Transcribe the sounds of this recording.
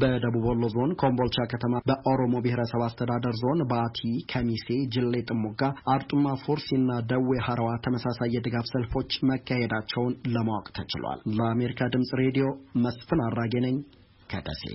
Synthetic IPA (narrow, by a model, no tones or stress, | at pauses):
bəd̪əβubolːozo̞nkʰo̞mbo̞lt͡ʃakʰət̪ʰəmabəʔoɾo̞mo̞bɪhɾəsəβast̪ʰəd̪ad̪əɾzo̞nbəat̪ʰikʰəmise̞d͡ʒɪlːe̞t̪ʼɨmːoɡaʔaɾt̪ʼumːafoɾsinːad̪əwehaɾəwat̪ʰəməsasajːɛd̪ɨɡafsəlfo̞t͡ʃːməkʰːahed̪at͡ʃːɛwnləmawkʼt̪ʰət͡ʃɪ̰lwa̰lləame̞ɾikʰad̪ɨmsʼɾe̞d̪ijo̞məsfɨnarːaɡenəɲː | kʰəd̪ʰə̰sḛ